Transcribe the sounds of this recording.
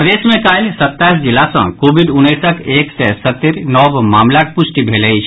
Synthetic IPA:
pɾd̪eːsmẽkaːlsət̪ːaːis̬d͡ʒɪlːasə̰̃koːbiɖʊnːeːsəkʰeːksɛsət̪ːiɾnɔːbmaːmlak̚pʊsʈibʱeːləit͡ʃʰ

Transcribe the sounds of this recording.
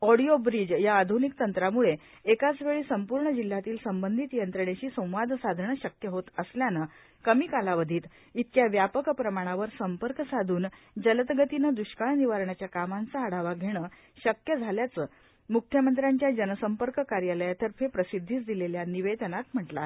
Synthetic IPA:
ɔɽiobɾid͡ʑjaːd̪ʱunik̚t̪ənt̪ɾamuɭe | ekat͡sʋeɭiːsəmpuɾɳəd͡ʑil̤ːat̪iːlsəmbənd̪ʱit̪jənt̪ɾəɳ̃eɕiːsə̃w̃ʋad̪ʱsad̪ʱəɳəɕəkjəɦot̪əsljanə | kəmiːkalaʋəd̪ʱiːt̪ | it̪̚ʰkjaʋjapəkpɾəmaɽ̃aʋəɾsəmpəɾkəsad̪ʱuːn | d͡ʑələt̪ɡət̪inəd̪uɕkaɭniʋaɾɳat͡ɕjakamant͡saːɽ̤aʋaɡʱeɽ̃ə | ɕəkjəd͡zʱaljat͡səː | mukkʰjəmənt̪ɾaɲt͡ɕjad͡ʑənəsəmpəɾkəkaɾjaləjat̪əɾpʰepɾəsid̪ʱːiːt͡sd̪ileljaniʋed̪ənat̪m̤əʈla̰

